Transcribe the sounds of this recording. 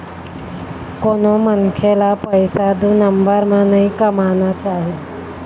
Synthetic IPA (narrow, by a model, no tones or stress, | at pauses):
konomənkʰelapəjsad̪unəmbəɾmanəikəmanat͡saɦe